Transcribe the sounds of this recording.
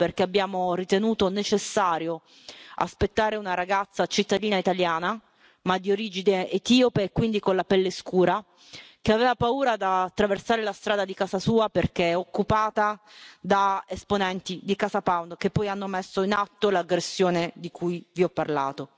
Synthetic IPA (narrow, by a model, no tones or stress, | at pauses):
perkeabːjaːmorit̪enuːt̪onet͡ʃesːaːɾjo | a̰spet̪ːaːɾeunaɾaɡat̪sːat͡ʃit̪ːad̪iːnait̪aljaːna | mad̪ːioɾiːd͡ʒid̪eːt̪iːopeːkːwind̪ikonlapɛlːeskuːɾa | keaveːvapauːɾad̪at̪ːɾaversaːɾelast̪ɾaːd̪ad̪ikaːzasuːaperk̟eɛokːupaːt̪ad̪aesponɛnt̪id̪ikazapawnkepːɔjanːomesːoinat̪ːolaɡɾesːjoːned̪ikʰujviɔpːarlaːt̪o